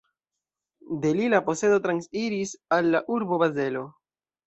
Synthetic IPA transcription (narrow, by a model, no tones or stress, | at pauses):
de̞lilapo̞se̞do̞t̪ɾansiɾisalːaʔuɾbo̞baze̞lo̞